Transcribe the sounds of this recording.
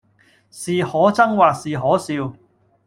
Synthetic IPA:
siː˨hɔː˨˥t͡sɐ˥ŋwaː˨k̚siː˨ɦɔː˨˥siː˧w

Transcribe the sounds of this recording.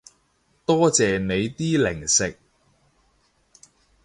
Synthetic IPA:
t̪ɔː˥t͡sɛː˨ne˨˧jt̪iː˥lɪ˨˩ŋsɪ˨k̚

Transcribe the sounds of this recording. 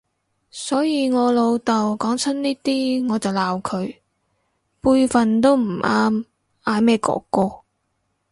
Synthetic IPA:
sɔː˨˥jiː˨˧ŋɔː˨˧lo˨˧wt̪ɐ˨wkɔː˨˥ŋt͡sʰɐ˥nniː˥t̪iː˥ŋɔː˨˧t͡sɐ˨wlaː˨wkʰɵ˨˧ɥ | puː˧jfɐ˨˩nt̪o˥wm̩˨˩ʔaː˥m | ʔaː˨˧mɛː˥˩kɔ̰ː˨˥kːɔː˧

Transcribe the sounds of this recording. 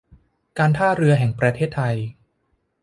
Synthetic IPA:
kaː˧nt̪ʰaː˥˩ɾɯ˧ɐɦɛ˨˩ŋpɾa˧t̪ʰeː˥˩t̪ʰːa˧j

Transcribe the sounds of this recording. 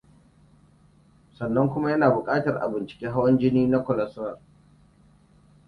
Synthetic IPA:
sɐ˨nːɐ˦ŋkʷʊ˦ma˦jɐ˦naː˨bʊ˨kʼaː˦tɐ˨rʔa̰˨bɪ˨nt͡ʃɪ̥˨kʲeː˦ɦa˦wɐ˦nd͡ʒɪ˦niː˦na˦kʷɔ˨lɐ˦swɐ˨r

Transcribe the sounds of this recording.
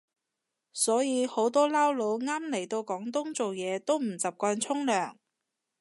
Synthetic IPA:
sɔː˨˥jiː˨˧ho˨˥wt̪ɔː˥laː˥wlo˨˥wŋaː˥mle˨˩jt̪o˧wkɔː˨˥ŋt̪ʊ˥ŋt͡so˨wjɛː˨˧t̪o˥wm̩˨˩t͡sɐ˨p̚kɔː˧nt͡sʰʊ˥ŋlœː˨˩ŋ

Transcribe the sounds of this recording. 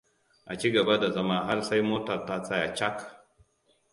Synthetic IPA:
ʔa˨t͡ʃi˦ɡɐ˨ba˦da˨zɐ˦maː˦ɦa˦rsa˦jmoː˦tɐ˨rtaː˦sa˦ja˨t͡ʃa˦k

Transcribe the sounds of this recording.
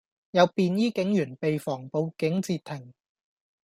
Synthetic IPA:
jɐ˨˧wpiː˨˧njiː˥kɪ˨˥ŋjyː˨˩npe˨jfɔː˨˩ŋpo˨˧wkɪ˨˥ŋt͡siː˧t̪ʰɪ˨˩ŋ

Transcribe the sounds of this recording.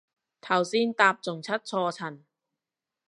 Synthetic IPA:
t̪ʰɐ˨˩wsiː˥nt̪aː˧p̚t͡sʊ˨˩ŋt͡sʰɐ˥t̚t͡ʃʰɔː˧t͡sʰɐ˨˩n

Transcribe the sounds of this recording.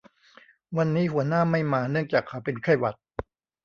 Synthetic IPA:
wa˧nːiː˦˥hu˩˦ɐnaː˥˩ma˥˩jmaː˧nɯ˥˩əŋt͡ɕaː˨˩kʰːa˨˦wpe˧nkʰa˥˩jwa˨˩t̪̚

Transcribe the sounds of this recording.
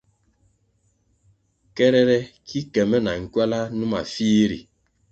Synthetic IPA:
kɛ˦ɾɛ˦ɾɛ˦kʰi˦kɛ˨mɛ˦na˨ŋ̩˨kwa˦la˦nu˦ma̰˨fi˦ɾḭ˨

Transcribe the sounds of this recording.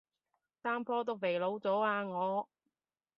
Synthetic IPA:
saː˥mpʰɔː˥t̪ʊ˥wme˨˩jlo˨˧˥wt͡sɔː˨˥aː˧ŋɔː˨˧

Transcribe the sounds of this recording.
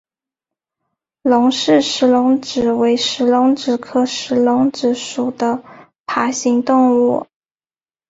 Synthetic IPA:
lʊ˧˥ŋʂɻ̩˥˧ʂɻ̩˧˥lʊ˧˥ŋʈ͡ʂɻ̩˨˩we˧˥ɪʂɻ̩˧˥lʊ˧˥ŋʈ͡ʂɻ̩˨˩kʰɤ˥ʂɻ̩˧˥lʊ˧˥ŋʈ͡ʂɻ̩˧˥ʂu˨˩d̪ə˦ | pʰa˧˥ɕi˧˥ŋt̪ʊ˥˧ŋu˥˩

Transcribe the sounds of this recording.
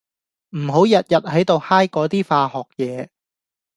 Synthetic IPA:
m̩˨˩ɦo˨˥wjɐ˨t̚jɐ˨t̚hɐ˨˥jt̪o˨whaː˥jkɔː˨˥t̪iː˥faː˧hɔː˨˩k̚jɛː˨˦

